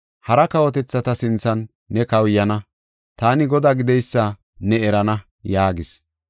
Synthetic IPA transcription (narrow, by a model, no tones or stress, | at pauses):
hɐɾɐkɐwɔt̪̬ɛt͡sːɐt̪ɐsɪnt͡sːɐnː | ɛkɐwjːɐnɐ | t̪aːnɪɡɔd̪aːɡɪd̪ɛjsːɐ | nɛɛɾɐnɐ | jaːɡɪs